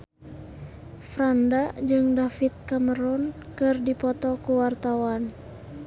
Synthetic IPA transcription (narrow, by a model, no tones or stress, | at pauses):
fɾandad͡ʒɨŋdafit̪̚kaməɾɔnkɨrdipɔt̪ɔkuwart̪awan